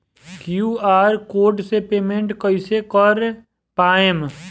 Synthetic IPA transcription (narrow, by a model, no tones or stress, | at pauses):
kjuːaːɾkoːɾʈsepeːmẽɳʈkəɪsekəɾ | paːem